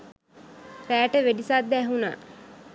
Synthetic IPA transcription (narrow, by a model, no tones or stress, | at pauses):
ɾæːʈəʋeɖisad̪ːæːɦuna̰ː